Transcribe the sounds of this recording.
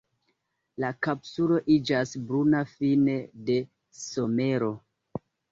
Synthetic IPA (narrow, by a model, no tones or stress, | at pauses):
lakapsulo̞ʔid͡ʒasbɾunafinede̞ | so̞me̞ɾo̞